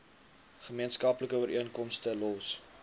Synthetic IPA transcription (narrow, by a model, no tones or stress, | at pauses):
χəmiənskɐpləkəəɾʔiənkɔmstəlɔs